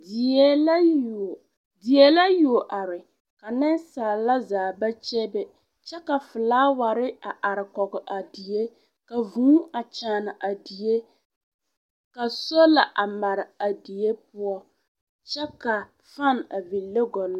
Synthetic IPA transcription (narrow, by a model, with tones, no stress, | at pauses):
di˨ɛ˦l | di˨jɛ˦la˦ju˨o˨ʔa˨ɾɪ˨ | ka˨nɪ˦nsaː˨la˦zaː˨ba˦t͡ʃɛ˦bɛ˨ | t͡ʃɛ˦ka˨fʊ˨laː˦wa˨ɾɪ˦a˨ʔa˨ɾɪ˨kɔ˨ɡɪ˨ʔa˨di˨je˦ | ka˨vũː˦a˨t͡ʃaː˨na˨ʔa˨di˨e˦ | ka˨so˦la˨ʔa˨ma˨ɾɪ˨a˨di˨je˦pʊ˦ɔ˦ | t͡ʃɛ˦ka˨ | fa˦˨n˨a˨vi˨lːe˦ɡɔ˨n˦